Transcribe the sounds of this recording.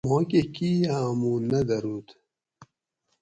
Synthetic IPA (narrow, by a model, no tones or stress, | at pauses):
mõːkekiamunɐd̪ɐɾuːt̪